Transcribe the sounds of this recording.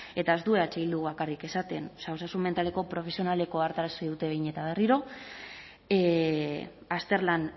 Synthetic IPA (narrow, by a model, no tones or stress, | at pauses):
e̞t̪ae̞zt̪ue̞at͡ʃeild̪uβakarike̞sat̪e̞nsaosasumme̞nt̪aleko̞pɾo̞fe̞sio̞nale̞ko̞aɾt̪aɾaseðut̪e̞βejɲe̞t̪aβ̞e̞riɾo̞ | e | ast̪e̞ɾlan